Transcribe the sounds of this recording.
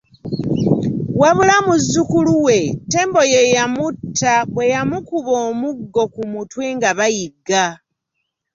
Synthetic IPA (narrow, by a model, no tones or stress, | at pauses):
waβulamuzːukuluwe̞tːe̞ːmbo̞je̞jamutʰːaβwe̞jamukuβo̞ːmuɡːo̞kumutweːŋɡaβajiɡːa